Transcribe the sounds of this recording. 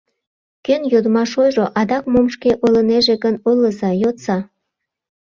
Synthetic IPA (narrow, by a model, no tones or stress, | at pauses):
kønjod̪əmɑʃojʒoʔɑd̪ɑkmomʃkeʔoləneʒeɣənolːəzɑjott͡sɑ